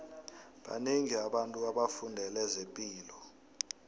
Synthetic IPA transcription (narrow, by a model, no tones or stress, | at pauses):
ɓa̰neŋiaɓantʼuaɓafundʱɛlɛzempʼiːlɔ